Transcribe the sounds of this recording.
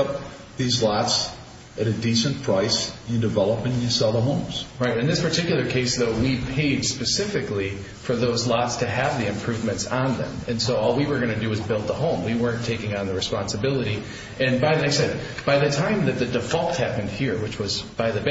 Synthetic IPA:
ʌp̚ | ðizlɑts | ʔɨɾɨdisɨ̃npʰɹ̥aɪsɨ̃ndɨvɛlˠəpɪ̃ŋjəsɛlˠəɦõʊ̃mz̥ɹaɪɾɨ̃nðɪspʰə˞tʰɪkjl̩ˠə˞kʰeɪsðoʊwipʰeɪd̥spɨsɪfɨkli | fə˞ðoʊzlɑtstʰɨɨvðiɨ̃mpʰɹ̥ʉvmɨ̃ntsn̩ðɨ̰̃mɨ̃nsoʊɔlˠwiwə˞ɡʌñɨdɨʌzbɪlˠd̪̚ðəhõʊ̃mwiwɜ̃˞ntʰeɪkɪ̃ŋə̃nðɨɹɨspɑ̃nsɨbɪlˠəɾi | ɨ̃nbaɪðɨnɛksɛb̥aɪðɨtʰãɪ̃mðɨt̪̚ðɨdɨfɑlˠt̚hæpɨ̃nd̥̚hiɹwɨt͡ʃwʌzb̥aɪðɨb

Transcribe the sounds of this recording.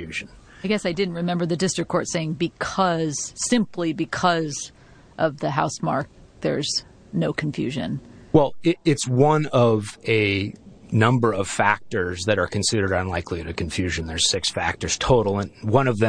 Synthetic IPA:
ʉʒ̃n̩ | aɪɡɛsaɪdɪdⁿn̩t̚ɹɨmɛ̃mbə˞ðɨdɪstɹ̥ɨkʰːɔɹtseɪɪ̃ŋbɨkʰʌz̥sɪ̃mpʰlibɨkʰʌz | ʔʌvðɨɦaʊsmɑ̰ɹk̚ | ðə˞z | noʊkʰɱfjʉ̰ʒɨ̰̃nwɛlˠɪɪtswʌ̃nʌvɨ | nʌ̃mbə˞ʌv̥fæk̚tə˞zðɨɾə˞kʰɨ̃nsɪɾə˞ɾə̃nlaɪkʰliɨɾɨkʰɨ̃ɱfjʉʒɨ̃nðə˞z̥sɪksfæ̰k̚tə˞z̥tʰoʊɾl̩ˠə̃nwʌ̃ñʌvðɨ̃

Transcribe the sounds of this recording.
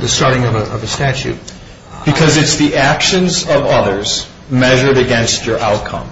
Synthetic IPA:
ðɨstɑɹɾɪ̃ŋʌvəʌvɨstæt͡ʃʉ̰t̚ | b̥ɨkʰʌzɨtsðiʔækʃɨ̃nzʌvʌðə˞z̥ | mɛʒə˞ɾɨɡɛ̃nst͡ʃə˞ʔaʊt̚kʰʌ̰̃m

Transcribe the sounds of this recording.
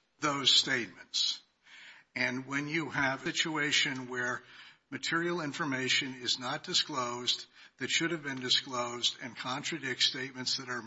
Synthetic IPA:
ðoʊz̥steɪt̚mɨ̃nts | ɨ̃nwɨ̃njɨɨvɨt͡ʃueɪʃɨ̃nwə˞mɨtʰɪɹil̩ˠɪ̃ɱfə˞meɪʃɨ̃nɪznət̚d̥ɨskloʊz | ðɨtʃʊɾɨvbɨ̃ndɨskloʊzdɨ̰̃nkʰɑ̃ntɹ̥ɨdɪk̚tsteɪt̚mɨ̃ntsðɨɾə˞

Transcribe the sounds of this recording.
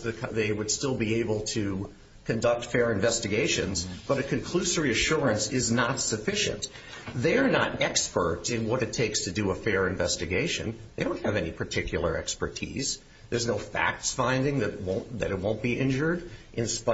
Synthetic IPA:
ɨkʰðeɪwəd̥stɪlˠbieɪbl̩ˠtʰɨ | kʰɨ̃ndʌk̚tfɛɹɨ̃ɱvɛstɨɡeɪʃɨ̰̃nzb̥ʌɾɨkʰɨ̃nkʰl̥ʉsə˞iɨʃʊɹɨ̃nsɪznətsɨfɪʃɨ̰̃nt | ðeɪə˞nəɾɛkspə̰˞ɾɨ̃nwʌɾɨtʰeɪkstʰɨdɨəfɛɹɨ̃ɱvɛstɨɡeɪʃɨ̰̃neɪɾõʊ̃nt̚hɨvɛnipʰə˞tʰɪkʰjl̩ˠə̰˞ɛ̰kspə̰˞tʰḭz̥ | ðə˞znoʊfæ̰k̚tsfãɪ̃ndɪ̃ŋðɨɾt̚wõʊ̃nðɨ̰ɾɨt̚wõʊ̃nb̥iʔɪ̃nd͡ʒə˞ɾʔɨ̃nsp

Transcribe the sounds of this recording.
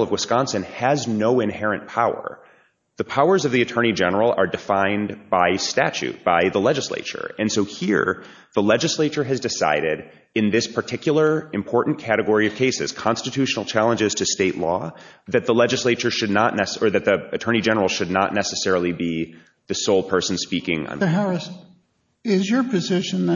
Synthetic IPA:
lˠʌvwəskɑ̃nsɨ̃nɨznoʊɨ̃nhɛɹɨ̃npʰaʊə̰˞ | ðəpʰaʊə˞zʌvðiɨtʰɜ̃˞ñid͡ʒɛnə˞l̩ˠə̰˞dɨfãɪ̃nb̥aɪstæ̰t͡ʃʉ̰t̚b̥aɪðəlɛd͡ʒɨslḛɪt͡ʃə̰˞ɨ̃nsoʊhḭɹ | ðəlɛd͡ʒɨsleɪt͡ʃə˞ɨzdɨsa̰ɪɾɪɾ | ɨ̃nðɪspʰə˞tʰɪkʰjl̩ˠə˞ɨ̃mpʰɔɹʔn̩kʰæɾɨɡɔɹiʌv̥kʰeɪsɨ̰z̥kʰɑ̃nstɨtʰʉʃn̩l̩ˠt͡ʃʰælˠə̃nd͡ʒɨz̥tʰɨsteɪʔˡlɔðɨt̪̚ðəlɛd͡ʒɨsleɪt͡ʃə˞ʃɨdⁿnəʔⁿnɛsə˞ðɨt̪̚ðiɨtʰɜ̃˞nid͡ʒɛnə˞l̩ˠʃɨdⁿnə̰ʔⁿnɛsɨsɛɹl̩ˠibi | ðɨsoʊl̚ˠpʰɜ˞sn̩spikɪ̃ŋə̰̃nɦaɹɨs | ɪzjə˞pʰɨzɪʃɨ̃n

